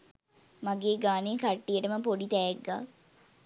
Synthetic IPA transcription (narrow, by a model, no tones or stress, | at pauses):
maɡeːɡaːnekaʈːijəʈəməpoɖit̪æjeɡːaː